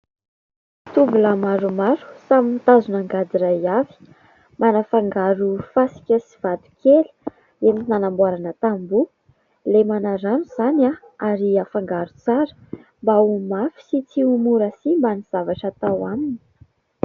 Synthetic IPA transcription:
t̪ubulamaɾumaɾu̥saminit̪azunaŋɡad̪iɾajavi̥ | manafaŋɡaɾufasi̥kʲəsiv̥ad̪u̥keli̥ | eminanambuaɾanət̪ambu | lemanaɾaniz̥ana | aɾiafaŋɡaɾut͡saɾə̥mbaumafi̥sit͡siumuɾasimbaniz̥avaʈ͡ʂat̪awamini̥

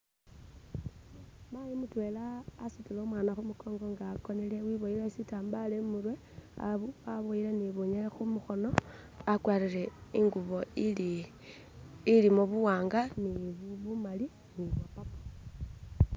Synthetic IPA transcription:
majimutwe̞laːsitiloːmwaːnaxumuko̞ːŋɡo̞ŋɡaːko̞nelewiβoilesitaːmbalemurwe̞ | a̰βuaβoileniβuɲexumuxo̞no̞ | akwaːɾiɾeiŋɡuβo | ilimoβuwaːŋɡaniβuβumali | niβwapapḁ

